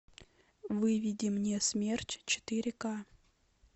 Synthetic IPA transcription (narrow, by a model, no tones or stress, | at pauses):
vɨvʲidʲimnʲesmʲertʲt͡ɕɪ̥t̪ɨɾʲɪka